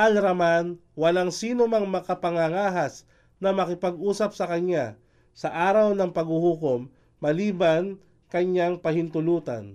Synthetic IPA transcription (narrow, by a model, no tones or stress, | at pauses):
ʔalɾɐman | wɐlaŋsiːnomaŋmɐkapɐŋaŋaːɦas | nɐmɐkɪpɐɡʔuːsɐp̚sɐkɐɲja | sɐʔaːɾawnɐŋpɐɡhuhukomː | ɐliːban | kɐɲjaŋpɐhɪnt̪ʊluːt̪ɐ̰n